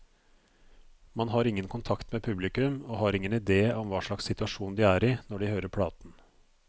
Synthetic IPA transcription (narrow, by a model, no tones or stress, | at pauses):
mɑnɦɑːɾɪŋːənkʰʊnt̪ʰɑkt̪meːpʰʉblɪkʉmoːɦɑːɾɪŋːənɪd̪eːɔmʋɑːʂɭɑkssɪt̪ʉɑʂuːnd̪iːæːɾiːnɔɖɪhøːɾəɾpʰɽɑːt̪n̩